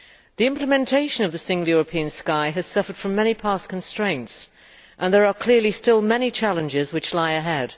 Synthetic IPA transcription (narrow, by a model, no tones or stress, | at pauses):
ðiɪ̃mpləmɛ̃ntʰeɪʃɨ̃nʌvðɨsɪ̃ŋɡl̩ˠjɔɹəpʰiɨ̃nskaɪɨz̥sʌfə˞d̥fɹʌ̃mːɛñipʰɑˑskʰə̃n̩stɹ̥ẽɪ̃nts | ʔə̃nðə˞əkʰl̥ɪɹlistɪlˠmɛnit͡ʃʰalˠə̃nd͡ʒɪzwɨt͡ʃlaɪɨɦɛd̥